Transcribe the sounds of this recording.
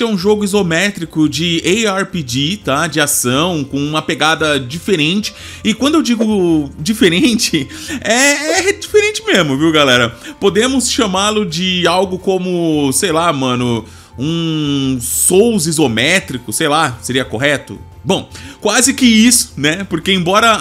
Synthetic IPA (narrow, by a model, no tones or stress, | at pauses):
sɛũʒoɡʊizomɛt̪ɾikʊd͡ʒɪejaɾpid͡ʒit̪ad͡ʒɪasɐ̃w̃kõũmɐpeɡad̪ɐd͡ʒifeɾẽnt͡ʃɪ̥ | ɪkwɐ̃nd̪ʊewd͡ʒiɡʊd͡ʒifeɾẽnt͡ʃɪɛɛd͡ʒifeɾẽnt͡ʃɪmezmʊviwɡalɛɾɐpod̪ẽmʊsʃɐmalʊd͡ʒɪawɡʊkõmʊsejlamɐ̃nʊ | ũ | sowzizomɛt̪ɾikʊsejlaseɾiɐkoɦɛt̪ʊ̰ | bõw̃kwazɪkɪisʊ̥nɛpoɾkeẽbɔɾɐ